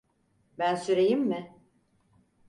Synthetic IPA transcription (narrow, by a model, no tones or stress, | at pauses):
bænsyɾejimːɪ